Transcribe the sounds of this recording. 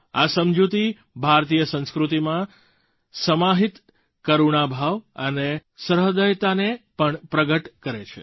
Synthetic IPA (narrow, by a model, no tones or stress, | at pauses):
asəmd͡ʒut̪i | bʱaɾt̪ijəsə̃skɾut̪imã | səmaɦit̪ | kəɾuɳ̃abʱaʋənesəɾɦəd̪əjt̪anepəɳpɾəɡəʈkəɾet͡ʃʰḛ